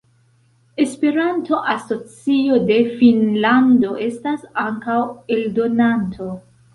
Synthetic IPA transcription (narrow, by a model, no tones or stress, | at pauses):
e̞spe̞ɾanto̞ʔaso̞t͡sio̞de̞finlando̞ʔe̞stasaŋkawe̞ldo̞nantʰo̞